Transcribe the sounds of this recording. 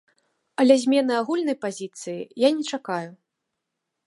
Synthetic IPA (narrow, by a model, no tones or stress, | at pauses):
ɐlʲɛzʲmʲɛnɨaɣulʲnɐjpazʲit̪sɨjḭjanʲɛt͡ʂakaju